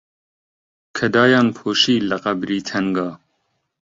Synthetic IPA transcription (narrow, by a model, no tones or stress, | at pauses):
kʰɐd̪ɑːjɑːnpʰoːʃiːlɐqɐbɾiːt̪ʰɛŋɡɑː